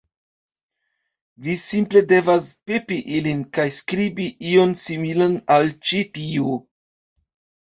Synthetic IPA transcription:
visimple̞de̞vaspepiʔilinkajskɾibiʔio̞nsimilanalt͡ʃitio

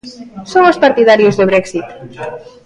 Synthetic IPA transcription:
soŋospaɾt̪iðaɾiozðəβɾɛksit̪

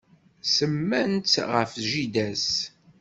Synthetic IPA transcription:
səmːænt͡sʁəfʒid̪æs

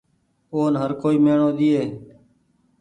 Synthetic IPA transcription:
oːnɦəɾkoːiːmeːɳoːɗ̪iːeː

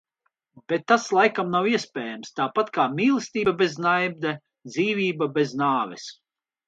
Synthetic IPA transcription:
b̥et̪ːaslˠajkamnawiɛspʲɛːjamst̪aːpat̪kaːmʲiːlˠɨst̪iːbabeznajb̚d̪ɛ | d̪ziːvʲiːbabeznaːvɛ̰s

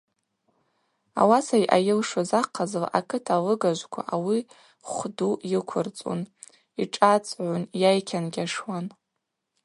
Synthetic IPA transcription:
a̰wasajʔajɪlʂozaqʰːazlʔakʰɨtʰalɨɡaʒʷkʷʰa̰ʔawi | χʷdujɪkʷʰʊrt͡sʼo̰n | iʈ͡ʂʼat͡sʼʕʷʊnjajkʲʰanɡʲaʂwan

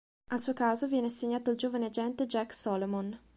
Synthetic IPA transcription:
alsuːokaːzovjɛːnesːeɲːaːt̪oild͡ʒoːvanead͡ʒɛnt̪ed͡ʒɛkːsɔlomon

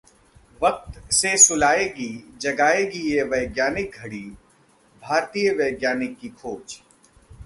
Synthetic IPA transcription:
ʋɐk̚t̪sesʊlaːeːɡid͡ʒɐɡaːeɡijeʋɐɪɡjaːnɪk̚ɡʱɐɽi | bʱaːɾt̪ijəʋəːɡjaːnɪkːikʰoːt͡ʃ

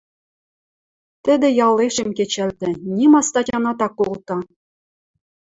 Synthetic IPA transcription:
t̪ɘ̆d̪ɘ̆jɑlˠːeʃɘ̆mket͡ɕɘ̆lt̪ɘ̆nʲimɑst̪ɑtʲɑnɑt̪ɑkːolˠt̪ɑ

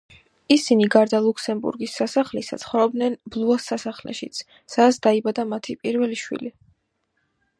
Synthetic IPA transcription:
isiniɡaɾd̪alˠukʰsɛmbṵɾɡisːasaχlisa̰t̪sʰχɔvɾɔbd̪nɛnblˠuasːasaχlɛ̰ʃit̪sʰ | sad̪sʰd̪̥aibad̪amat̪ʰipʼiɾvɛliʃwḭli

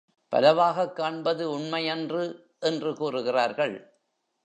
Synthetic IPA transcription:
pɐ̰lɐʋaːɣɐkːaːɳbɐðɯʊɳmɐɪjɛndrɯ | ʔɛndrɯkuːrɯɣɪraːɾɣɐɭ

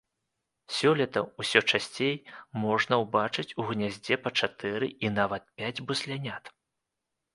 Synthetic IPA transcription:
sʲɔlʲɐt̪ɐusʲɔt͡ʂasʲt͡sʲejmɔʐnɐwbat͡ʂɨt͡sʲuɣnʲazʲd͡zʲɛpɐt͡ʂat̪ɛɾɨinavɐt̪̚pʲad͡zʲbusʲlʲanʲat̪

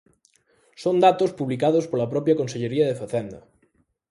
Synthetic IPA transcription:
sond̪at̪ospuβlikaðospolɐpɾɔpɾjɐkonseʎeɾiɐðefaθɛnd̪ɐ

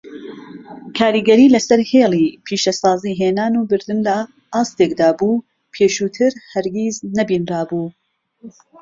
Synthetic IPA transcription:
kʰaːɾiːɡɐɾiːlɐsɐɾheːlˠiːpʰiːʃɐsɑːziːɦeːnaːnuːbɨɾd̪ɨnd̪aː | ʔaːst̪ekd̪aːbuː | pʰeːʃuːt̪ʰɨɾhɐɾɡiznɐbiːnraːbuː

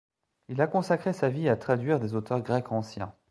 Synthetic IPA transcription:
ilakɔ̃sakχesaviat̪χad̪ɥiʁd̪ezot̪œʁɡʁɛkʰɑ̃sjɛ̰̃

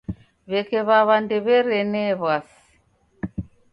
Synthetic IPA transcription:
βɛkɛβaβandɛβɛɾɛnɛβas | i̥

